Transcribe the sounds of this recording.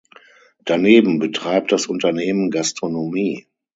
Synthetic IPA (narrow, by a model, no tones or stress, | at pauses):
d̥aneːbm̩bətʁ̥aɪp̚t̚d̥asʔʊntɐneːmənɡastʁ̥onomiː